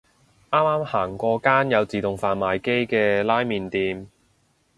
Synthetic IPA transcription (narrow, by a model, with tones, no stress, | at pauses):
ʔaː˥mːaː˥mhaː˨˩ŋkʷɔː˧kaː˥njɐ˨˧wt͡siː˨˩t̪ʊ˨ŋfaː˨nmaː˨jke˥jkɛː˧laː˥jmiː˨nt̪iː˨˧m